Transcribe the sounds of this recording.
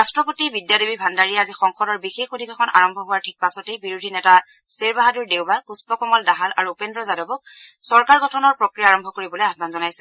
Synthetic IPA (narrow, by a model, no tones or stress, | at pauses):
ɹastɹɔpotibidjadebibʱandaɹijɛazixɔŋxɔdɔɹbixexodʱibexʰɔnʔa̰ɹɔmbʱɔɦʊwaɹtʰik̚pasɔtejbiɹudʱinɛta | seɹbaɦaduɹdewbakuspɔkɔmɔldaɦalaɹuːpendɹɔzadɔbɔk̚sɔɹkaɹɡɔtʰɔnɔɹpɹokɹijaːɹɔmbʱɔkoɹibɔlojabbanzɔnajsɛ